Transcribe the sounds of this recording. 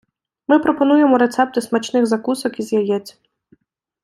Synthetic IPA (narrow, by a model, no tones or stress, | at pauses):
mɪpɾɔpɔn̪ujemɔɾet̪sɛp̚t̪ɪsmat͡ʃnɪɣzɐkusɔkizʲjajɛt͡sʲ